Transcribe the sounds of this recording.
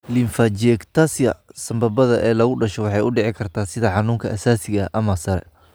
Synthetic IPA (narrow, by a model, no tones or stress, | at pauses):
lɪnfɐt͡ʃɛkt̪ʰɐsjɐ̰sɐmbɐbɐðɐʔɛːlɐɣʊɖɐʃɔwɑħɑjʊɖɛʕɪkʰɐrt̪ʰaːsɪðɐħɑnuːŋkʰɐʔɐsaːsɪɣɐʔɐmɐsɐɾɛ̰